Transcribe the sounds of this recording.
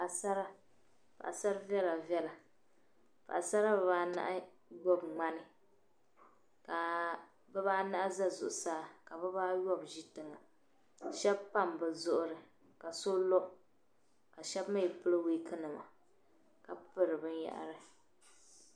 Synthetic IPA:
pʔa˨sa˦ɾa˦ | pa̰˨ʔa˨sa˦ɾvɛ˦la˨vjɛ˦la˨ | pa̰˨ʔa˨sa˦ɾa˦bɛ˨βaː˦na̰˦ʔa˦ | jɔ˦bŋ͡ma˦nɨ˨ | ka˨ | bɛ˦βaː˦na˦ʔa˦za˦zʊ̰˨ʔʊ˨saː˦ka˨bɨ˦baː˦jɔ˦bʒi˦tɨ˨ŋa˨ | ʃɛ˦bpa˦˨mbɨ˨zʊ˦ʔʊ˦ɾɨ˨ | ka˨so˦lo˦ʔ | ka˨ʃɛ˦bma˦ji˨pɨ˦lɨ˦wiː˦kʰɨ˦nɨ˨ma̰˨ | ka˨pɨ˦ɾɨ˨bɨ˦nja̰˨ʔa̰˨ɾɨ˨

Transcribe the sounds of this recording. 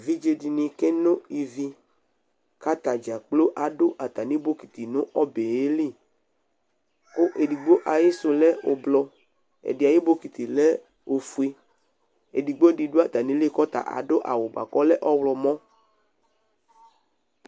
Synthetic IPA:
vi˦d͡ʒe˧di˨nĩ˨kɛ˦nʊ̃˦i˨vi˦ | ka˦t̪a˨d͡ʒa˨k͡plo˦ʔa˨dʊ˦ʔa˨t̪a˨nĩ˦bo˦ki˨t̪i˨nʊ̃˦ʔɔ˦be˨je˦li˦˨ | kʊ˦ʔe˨di˨ɡ͡bo˦ʔa˨jɪ˦sʊ˨lɛ˦o˨blɔ˧ | ɛ̰˨dɪ˨a˨jɪ˦bo˦ki˨t̪i˨lɛ˦ | o˨fu˨e˦ | ḛ˨di˨ɡ͡bo˦e˨di˨do˦a˨t̪a˨nĩ˨˦le˦kɔ˦t̪a̰˨ʔa̰˨dʊ˦ʔa̰˨wʊ˨ɡ͡ba̰˨kɔ˦lɛ˦ʔɔ˦wlɔ˨mɔ̃˦

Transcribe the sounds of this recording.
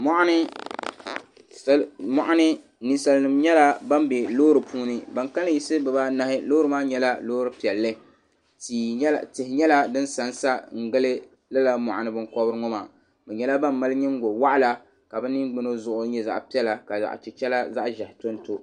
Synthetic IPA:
mɔ˦ʔa˦nɨ˦ | smɔ˨ʔa˦nɨ˦ | ni˦sa˨lnɨ˨mɲɛ˦la˦ba˦mbe˨lo˦ɾɨ˨puː˦nɨ˦ba˨ŋka˦lɨ˦ji˦sɨ˦bɛ˨ba˦na˨hɪ˦lo˦ɾɨ˦maː˦ɲɛ˦la˦loː˦ɾɨ˦pi˨ɛ˨lːɨ˦ | ti˨˦˨tɪ˨hɪ˨ɲɛ˦la˦dɨ˦nsa˨n˦sa˦ŋ̩˨ɡɨ˦lɨ˦ | la˦la˦mɔ̰˨ʔa˨nɨ˦bɨ˦ŋkɔ˦bɨ˦ɾɨ˦ŋɔ˦ma˨ | bɛ˨ɲɛ˦la˦ba˦mː˦a˦lɨ˦ɲɛ˦ŋ˦ɡo˨wa˦ʔa˦˨la˦ | ka˨bɛ˦ni˦ɡ͡bɨ˦no˦zʊ˨ʔʊ˨˦ɲɛ˦za̰˨ʔpi˦ɛ˦la˨ka˨za̰˨ʔt͡ʃi˨t͡ʃɛ˦la˦za˦ʔʒa˨hɪ˨to˦nto˦

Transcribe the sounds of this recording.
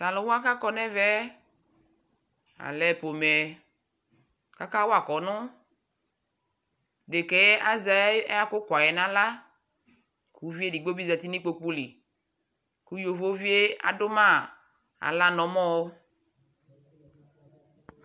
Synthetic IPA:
ta˨lʊ˨˦wo˦a˦ka˦kɔ˦nɛ˦vɛ˦ | a̰˨lɛ˨po˨mɛ˨ | ka˦ka˦wo˦a˨kɔ˨nʊ˦ | ɖe˨ke˨˦ʔa˦za˨˦a˦kʊ˦kʷa˨jɛ˨nã˦la˦ | ku˨˦vi˦e˦di˨ɡ͡bo˦bi˦zɛ˨t̪i˦nĩ˦k͡po˨k͡pu˦li˨ | ku˦jo˨vo˦vi˦e˦a̰˨dʊ˦mã˦ | a̰˨la˦nɔ̃˨mɔ̃˦wo˦

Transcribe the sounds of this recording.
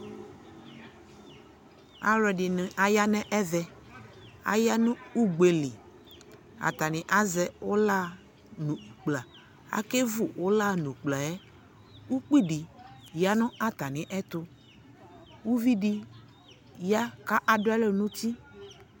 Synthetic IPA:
a̰˨ɾɛ˨ɖi˨nɪ̃˨ʔa˨ja˦nɛ̃˦ʔɛ˦vɛ˨ | a̰˦ja˦nũ˦u˦ɡ͡be˨li˨ | a̰˨t̪a˨nĩ˨ʔa˦zɛ˨wo˦la˦ | nũ˨k͡pla˨ | a̰˨˦ke˦vu˨wʔo˦la˦˨nũ˨k͡pla˨jɛ˦ | wu˦k͡pi˦ɖi˨ja˦nʊ̃˦ʔa˦t̪a˨nĩ˨ʔɛ˦t̪ʊ˦ | wu˦vi˦ɖi˦ | ja˦ka˦ʔa˨ɖo˦ɛ˦lo˦nũ˦t̪i˦

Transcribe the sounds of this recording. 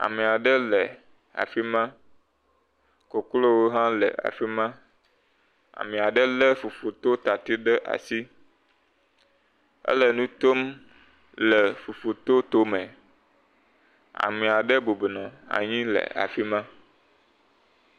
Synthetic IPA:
a̰˨mẽ˨a˨ɖə˦lɛ˨ | a̰˨fi˦mã˦ | ko˨klo˦wo˦ɦã˦lɛ̰˨ʔa̰˨fi˦mã˦ | a̰˨mɛ̃˨a˨ɖə˦lə˦fu˨fo˨t̪o˦t̪a˨t̪i˦ɖə˦ʔa̰˨si˦ | ə̰˦lə˨nũ˦t̪o˦m | lɛ˨fu˨fo˨t̪o˦t̪o˦mɛ̃˨ | a̰˨mẽ˨a˨ɖə˦bo˨be˨nɔ̃˨a̰˨ɲĩ˦lə̰˨a̰˨fi˦mã˦

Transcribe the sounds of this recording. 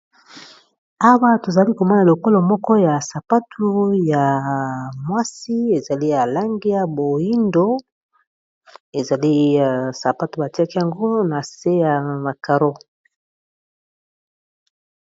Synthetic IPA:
a˦wa˦to˨za˨li˦ko˨ma˦na˨lo˨ko˦lɔ˨mɔ˦kɔ˦ja˨sa˨pa˦tʰu˦ja˨ | mwa˦si˦e˨za˨li˦ja˨la˦ŋɡi˦ja˨bo˨ji˦ndo˦ | e˨za˨li˦˨sa˨pa˦tu˨ba˨ti˦a˦ki˦ja˨ŋɡo˦na˨se˦ja˨ma˨ka˨ɾo˦

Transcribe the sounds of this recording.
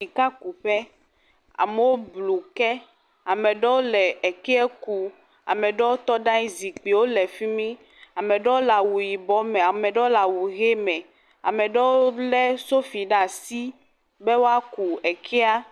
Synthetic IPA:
i˨ka˦ku˨ɸɛ˦ | a̰˨mɛ˨wo˦blu˨kɛ˦ | a˨mɛ̃˨ɖɔ˦wo˦lɛ˨ɛ˨kɛ˦ɛ˦ku˦ | a̰˨mɛ̃˨ɖɔ˦wo˦t̪ɔ˦ɖã˦i˦zi˨k͡pi˨wo˦lɛ˨fi˦mĩ˦ | a˨mɛ̃˨ɖɔ˦wo˦la˨wu˨ji˨bɔ˨˦mɛ̃˨a˨mɛ̃˨ɖɔ˦la˨wu˨ɣe˦mɛ̃˨ | a̰˨mɛ̃˨ɖɔ˦wo˦o˦lɛ˦so˦fi˨ɖa˦˨si˦ | bɛ˦wo˦a˦ku˨ɛ˨kʰɛ˦a˦

